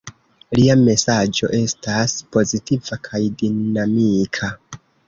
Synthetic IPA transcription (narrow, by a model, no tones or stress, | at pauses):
liame̞sad͡ʒo̞̰ʔe̞staspo̞zitivakʰajdinamikʰa